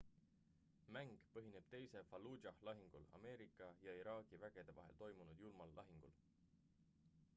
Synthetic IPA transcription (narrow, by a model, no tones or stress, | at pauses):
mæŋɡ̥pɤɦine̞b̥̚t̪e̞jse̞fɑluɑhlɑɦiŋɡ̥ulɑ̰me̞ːɾikːˑɑjɑiɾɑːɡ̥ivæɡ̥e̞d̪̥e̞vɑ̰ɦe̞̰lt̪o̞jmunud̪̥julmɑlːɑ̰ɦiŋɡ̥ul